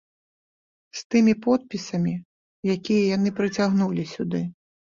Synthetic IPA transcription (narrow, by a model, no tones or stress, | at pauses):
st̪ɨmʲipɔt̪̚pʲisɐmʲi | jakʲijɛjanɨpɾɨt͡sʲaɣnulʲisʲud̪ɨ